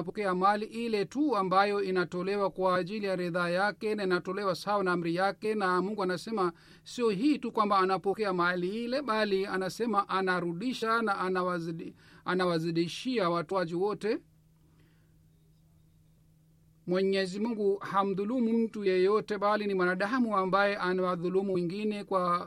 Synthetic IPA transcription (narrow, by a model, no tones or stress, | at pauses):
apɔkɛamaliʔilɛtuambajɔinatɔlɛwakwaːʄilijaɾɛðaːjakɛnainatɔlɛwasahawanaam̩ɾijakɛnamuŋɡuanasɛma | siɔɦiːtukwambaːnapɔkɛamaliilɛɓalianasɛmaʔanaɾuɗiʃanaʔanwa | anawaziɗiʃiawatuad͡ʒiwɔtɛ | mwɛɲɛzimuŋɡuham̩ðulumum̩tujɛjɔtɛɓalinimwanaɗamuambajɛʔanawaðulumuŋɡinɛkwa